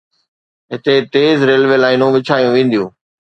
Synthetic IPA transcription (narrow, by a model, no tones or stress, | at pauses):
ɦɪt̪et̪eːzɾeːlʋelaːɪnũʋɪt͡ɕʰaːijũʋẽːn̆d̪ijũː